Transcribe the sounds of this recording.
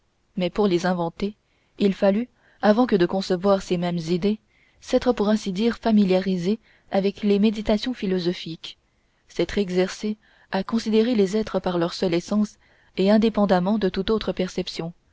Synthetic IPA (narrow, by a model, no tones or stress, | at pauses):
mɛpuʁlezɛ̃vɑ̃t̪e | ilfaly | avɑ̃kəd̪əkɔ̃səvwaʁsemɛmzid̪e | sɛt̪χəpuʁɛ̃sid̪iːʁfamiljaʁize | avɛklemed̪it̪asjɔ̃filɔzɔfik | sɛt̪χɛɡzɛʁse | akɔ̃sid̪eʁelezɛt̪χəpaʁlœʁsœlɛsɑ̃s | eɛ̃d̪epɑ̃d̪amɑ̃d̪ət̪ut̪ot̪χəpɛʁsɛpsjɔ̃